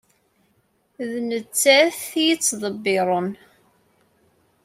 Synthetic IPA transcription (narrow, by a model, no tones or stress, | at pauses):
ðnət͡sːæθijit͡sːðˤəbːɪɾˤən